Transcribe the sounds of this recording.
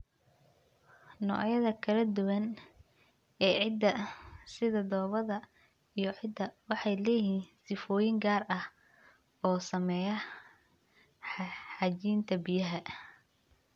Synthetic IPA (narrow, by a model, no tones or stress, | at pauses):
nɔ̰ʕjɐðɐkʰɐlɐd̪ʊwɐn | ɛːʕɪd̪ːɐsɪðɐd̪ɔːβɐðɐ | ijɞʕɪd̪ːɐwɑħɑjlɛːhiːnsɪfɔːjɪŋɡaːrɐh | ɔːsɐmɛːjɐ | ħɑt͡ʃiːnt̪ʰɐbɪjɐɦɐ